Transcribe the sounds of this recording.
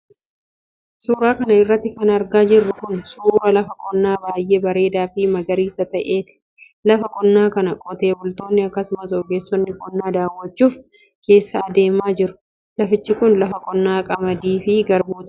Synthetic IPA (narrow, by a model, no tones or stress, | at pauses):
suːɾaːkɐnɐɪrːɐt̪ːɪkɐnɐɾɡaːd͡ʒɪrːʊkʊnsuːɾɐlɐfɐkʼɔnːaːbaːjʔe̞ːbɐɾe̞ːd̪aːfɪmɐɡɐɾiːsɐt̪ɐʔeːt̪ɪ̥ | lɐfɐkʼɔnːaːkɐnɐkʼɔt̪e̞ːbʊlt̪o̞ːnːɪɐkːɐsʊmɐsoːɡe̞ːsːɔnːɪkʼɔnːaːd̪aːwːɐt͡ʃːuːf | ke̞ːsːɐːd̪e̞ːmaːd͡ʒɪɾʊ̥ | lɐfɪt͡ʃːɪkʊnlɐfɐkʼɔnːaːkʼɐmɐd̪iːfɪɡɐɾbuːt̪ɪ̥